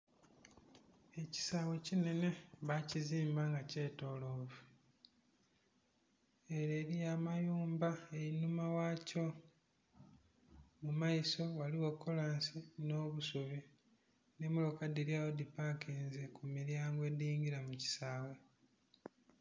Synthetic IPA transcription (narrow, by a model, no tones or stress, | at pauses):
e̞ci̥saːwe̞cine̞ne̞βaciziːmbaŋɡace̞ːto̞ːlo̞ːvu | eɾeːɾijaːmajuːmbaeinumawaco̞ | mumaiso̞waliwokːo̞laːnsino̞ːβusuβi | ne̞mulokadiɾjaːwodipakiːnzekumiɾjaːŋɡwe̞diːŋɡiɾamuci̥saːwe̞